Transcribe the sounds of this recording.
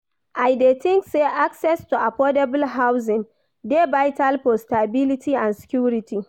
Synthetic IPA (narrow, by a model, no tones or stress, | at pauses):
ʔajdetɪŋkseːʔaksɛstuʔapɔdɛbʊlɦawz̬ɪ̃n | debajtalpostabɪlɪtʰiʔansɛ̥kʲuːɾɪtʰi